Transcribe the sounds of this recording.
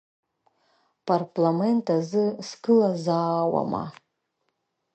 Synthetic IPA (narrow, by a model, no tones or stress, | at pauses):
pʰarpʰlame̞ntʰazɨskʰɨlazaːwa̰ma̰